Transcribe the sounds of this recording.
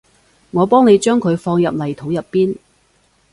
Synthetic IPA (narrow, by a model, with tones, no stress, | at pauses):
ŋɔː˨˧pɔː˥ŋne˨˧jt͡ʃœː˥ŋkʰɵ˨˧ɥfɔː˧ŋjɐ˨p̚lɐ˨˩jt̪ʰo˨˥wjɐ˨pːiː˥n